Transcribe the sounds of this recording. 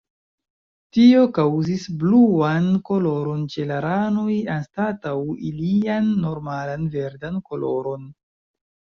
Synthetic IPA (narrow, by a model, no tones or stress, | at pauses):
tio̞kawzisbluanko̞lo̞ɾo̞nt͡ʃe̞laɾanojanstatawḭlianːo̞ɾmalanve̞ɾdanko̞lo̞̰ɾo̞n